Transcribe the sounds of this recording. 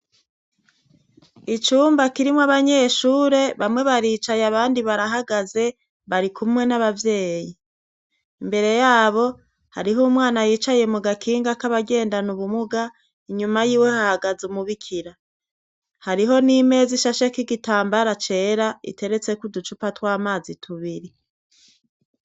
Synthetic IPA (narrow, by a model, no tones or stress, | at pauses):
it͡ʃuːmbakiɾimwaβaɲe̞ːʃuːɾe̞βamŋe̞βaɾiːt͡ʃajaβaːndiβaɾaɦaɡaze̞ | βaɾikumŋe̞naβavje̞ːji | imbe̞ɾe̞jaːβo̞ | ha̰ɾiɦumwaːnajiːt͡ʃajemuɡakʰiːŋɡakaβaɡe̞ːndanuβumuɡa | iɲumajiːwe̞hahaɡazumuβikʰiɾa | haɾiɦo̞nime̞ːziʃaʃakiɡitaːmbaɾat͡ʃe̞ɾaḭte̞ɾe̞t͡se̞kudut͡ʃupatwaːmaːzitʰuβiɾi